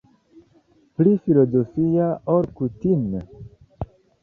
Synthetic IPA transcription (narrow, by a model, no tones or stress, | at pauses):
plifilo̞zo̞fiaoɾkutime